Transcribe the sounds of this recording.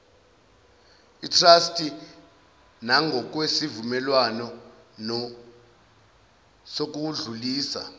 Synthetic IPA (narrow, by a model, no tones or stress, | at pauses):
itʰrastʼi | naŋɡʱɔk̬wesivumɛlwanɔnɔ | sok̬uɮuliːsa̰